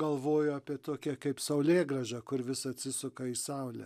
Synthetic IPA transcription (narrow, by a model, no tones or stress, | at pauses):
ɡɐlˠʋoːjʊɑːpʲiɛt̪oːkʲɛkɐɪpsɐʊlʲeːɡrɐʒɑkʊɾʋʲɪsɐt̪ʲsʲɪsʊkɐiːsɑʊlʲɛ̰